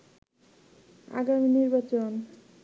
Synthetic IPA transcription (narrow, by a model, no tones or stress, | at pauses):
a̰ɡaminiɾbat͡ɕon